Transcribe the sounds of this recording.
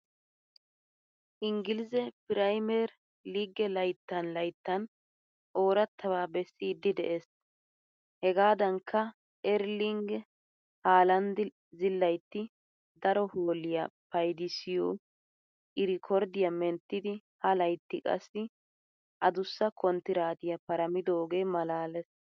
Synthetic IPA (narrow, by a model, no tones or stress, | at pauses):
ʔɪŋɡɪlzɛpɪɾɐjmɛɾ | liːɡɛlɐjt̪ːɐnlɐjt̪ːɐn | ʔo̞ːɾɐt̪ʰːɐβaːbɛsːiːd̪ːɪd̪ɛ̰ʔeːs | hɛɡaːd̪ɐŋkʰːɐ | ʔɛɾliŋɡ | haːlɐnd̪ | zɪlːɐjt̪ːɪ | d̪ɐɾɔhoːlɪjɐpɐjd̪ɪsɪjɔ | ʔɪɾɪkʰɔɾd̪ɪjɐmɛnt̪ːɪd̪ɪhɐlɐjt̪ːɪkʼɐ̰sːɪ | ʔɐd̪ʊsːɐkʰɔnt̪ːɪɾaːt̪ɪjɐpɐɾɐmɪd̪oːɡeːmɐlaːlɛs